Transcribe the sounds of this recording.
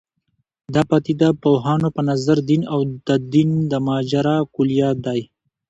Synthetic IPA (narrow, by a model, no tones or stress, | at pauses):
d̪ɑpɑt̪id̪apoɦɑːnopənazaɾd̪inawd̪̥əd̪ind̪əmɑːd͡ʒaɾɑkuljɑd̪aj